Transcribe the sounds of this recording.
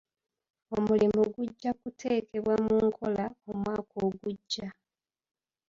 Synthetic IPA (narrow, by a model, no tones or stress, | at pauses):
o̞mulimuɡuɟːakutʰe̞ːke̞βwamuŋkʰo̞lao̞mwaːkoːɡuɟːa